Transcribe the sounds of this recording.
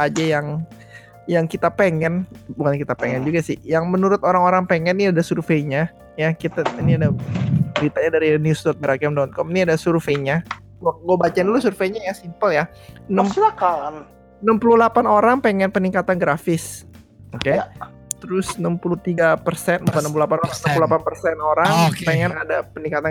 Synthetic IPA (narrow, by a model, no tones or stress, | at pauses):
ad͡ʒajaŋ | jaŋkit̪apeŋɛnbukankit̪apeŋɛnd͡ʒuɡasɪhjaŋmənuɾʊt̪oɾaŋoɾaŋpeŋɛnːiadasurfeɲa | jakit̪ainiadabəɾit̪aɲadaɾinjust̪ɔt̪̚bəɾakɛmdɔnt̪̚kɔminiadasurfeɲa | ɡɡabat͡ʃaɪndulusurfeɲajasimpəlja | nəmakan | nəmpululapanoɾaŋpeŋɛnpəniŋkat̪anɡɾafɪs | oke | t̪əɾʊsnəmpulut̪iɡapərsɛnmakanəmpululapanoaŋnəmpululapanpərsɛnoɾaŋpeŋɛnadapəniŋkat̪a